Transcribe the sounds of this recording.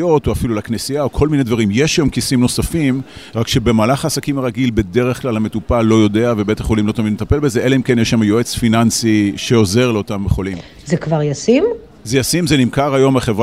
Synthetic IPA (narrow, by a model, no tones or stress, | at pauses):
jo̞toafilulaknesiaokʰo̞lminedvaʁimje̞ʃjamkisimno̞safim | ʁakʃebe̞maːlaχaːsakimaʁaɡilbe̞de̞ʁeχklalhame̞tupalo̞jo̞deavebetaχo̞limlo̞tamidmet̪ape̞lbe̞zeʔelehimkenjeʃlamajoe̞t͡sfinansiʃe̞o̞ze̞ʁleo̞tambeχolim | zekvaʁjasim | zejasimzenimkaʁajo̞maχe̞vʁ